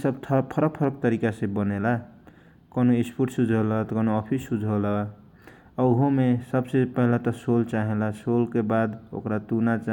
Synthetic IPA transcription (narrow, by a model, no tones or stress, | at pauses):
sʌbt̪ʰʌpʰʌɾʌk̚pʰʌɾʌk̚t̪ʌɾikasẽbʌnela | kʌnoispuʈsud͡ʒʱolat̪kʌnoɔpʰisːud͡ʒʱola | ʌɦomesʌbsepʌɦilat̪ʌsolt͡ʃaɦelasolkebad̪o̰kɾat̪unat͡ʃa